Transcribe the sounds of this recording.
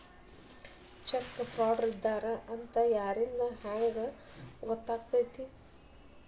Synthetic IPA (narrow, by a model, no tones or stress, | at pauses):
t͡ʃɐkːfʰɾaːɖɐɾid̪ːaːɾɐʔɐnt̪ɐjaːɾind̪ɐhaːjɐɡɐɡɔt̪ːaːɡt̪ajt̪i